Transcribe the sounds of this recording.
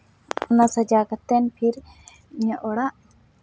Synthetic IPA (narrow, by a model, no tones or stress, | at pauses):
ɔnasəd͡ʒakat̪ɛnpʰiɾ | ɲəʔɔɽaʔ